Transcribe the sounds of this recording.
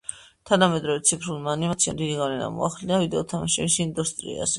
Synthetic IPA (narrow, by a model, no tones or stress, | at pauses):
t̪ʰanamɛd̪ɾɔvɛt̪sʰipʰɾulˠmaːnimat̪sʰijamd̪id̪iɡavlɛna̰mɔ̰aχlinavid̪ɛɔt̪ʰamaʃɛmisind̪ust̪ʼɾḭa̰zɛ